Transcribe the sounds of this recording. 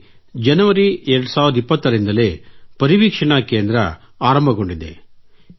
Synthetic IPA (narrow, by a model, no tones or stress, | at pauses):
d͡ʒɐnɐʋɐɾiɛɾɐɽusaːʋuɾɐd̪ipːɐt̪ːɐɾind̪ɐleːpɐɾiʋiːkʂɐɳɐkeːnd̪ɾɐ̰ | aːɾɐmbʱɐɡo̞ɳɖid̪ḛ